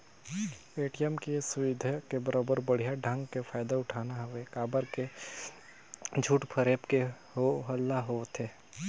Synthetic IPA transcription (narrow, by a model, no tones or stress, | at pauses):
eːʈijəmkesʊʋɪd̪ʱkebəɾoːbəɾbəɽ̤ijaɖʱə̃ŋɡkefʰaːɪd̪aʊʈʰaːnaɦʋekaːbəɾke | d͡ʒʱuːʈpʰəɾeːpke | ɦoɦəlːaɦot̪ʰeː